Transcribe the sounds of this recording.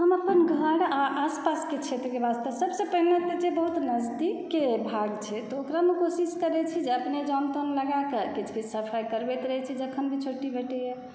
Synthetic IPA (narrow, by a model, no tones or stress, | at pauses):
ɦəməpənɡʱəɽaʔaspasket͡ʃʰɛt̪okebast̪əsəbsə̃pəɦilat̪d͡ʒebəɦut̪nəd͡ʒd̪ikːebʱaɡt͡ʃʰɛt̪ɔokɾamekosiskəɾɛt͡ʃʰid͡ʒeəpned͡ʒant̪onləɡakekit͡ʃʰkesəpʰajkəɾbɛt̪ɾəɦɛt͡ʃʰɛd͡ʒəkʰənbʱit͡ʃʰoʈːibʱeʈɛjɛ